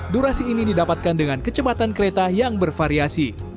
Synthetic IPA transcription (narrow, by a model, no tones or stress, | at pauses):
duɾasiːnididapat̪̚kandəŋankət͡ʃəbat̪ankəɾet̪ajaŋbərfaɾiasi